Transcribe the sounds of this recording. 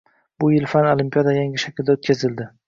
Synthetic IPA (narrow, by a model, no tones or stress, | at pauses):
bʊjɪlfanolimpijad̪ajaŋʲɪʃakʲʰɪld̪aot̪̚kʲʰazɪld̪ɪ